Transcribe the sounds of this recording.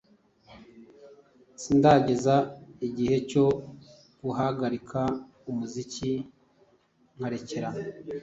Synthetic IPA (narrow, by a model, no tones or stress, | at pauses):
sindaɟe̞zaiɟihe̞co̞ | ɡuhaɡaɾikʰa | umuzici | ŋhaɾe̞ceɾa